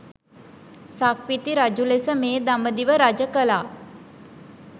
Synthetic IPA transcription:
sakʋit̪iɾad͡ʒulesəmeːd̪aməd̪iʋəɾad͡ʒəkəlaː

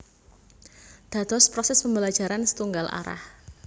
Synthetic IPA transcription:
d̪̥ä̤d̪̥ɔspɾosɛspəmbəlad̥ʒ̥a̤ɾansə̥t̪uŋɡalʔa̰ɾa̰h

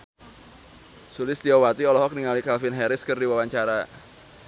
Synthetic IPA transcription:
sulɪst̪iɔwat̪iɔlɔɦɔk̚niŋalikalfɪnɦɛɾɪskɨrdiwawaɲt͡ʃaɾa

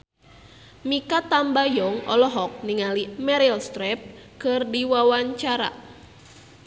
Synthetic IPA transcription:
mikat̪ambajɔŋɔ̰lɔɦɔk̚niŋalimɛɾilst̪ɾɛp̚kɨrdiwawaɲt͡ʃaɾa̰

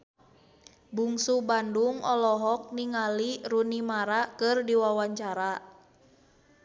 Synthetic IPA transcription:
buŋsubanduŋɔlɔɦɔk̚niŋalirunimaɾakɨrdiwawaɲt͡ʃaɾa

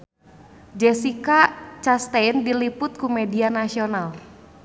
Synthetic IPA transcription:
d͡ʒɛsikat͡ʃast̪ɛjndilipʊt̪̚kumɛdianasional

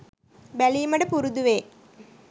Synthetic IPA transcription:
bæliːmɐɖəpuɾud̪uʋeː

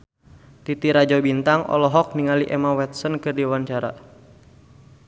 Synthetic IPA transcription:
t̪it̪iɾad͡ʒɔbint̪aŋɔ̰lɔɦɔk̚niŋaliʔɛmawɛt̪̚sɔnkɨrdiwaɲt͡ʃaɾa̰

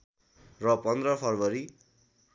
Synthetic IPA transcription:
rʌpʌnd̪rʌpʰʌrbʌɾi

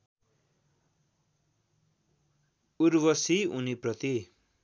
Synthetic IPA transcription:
uɾwʌsiṵniprʌt̪i

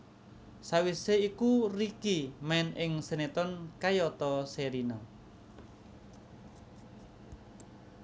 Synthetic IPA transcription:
sawiseikurikimaɪnɪŋsenet̪ɔnkajɔt̪ɔseɾina

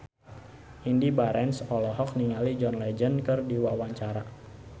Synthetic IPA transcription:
ʔindibaɾɛnsɔlɔɦɔk̚niŋalid͡ʒɔnlɛd͡ʒənkɨrdiwawaɲt͡ʃaɾa

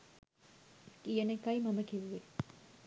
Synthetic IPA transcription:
ijənekajimɐməkiʋuʋe

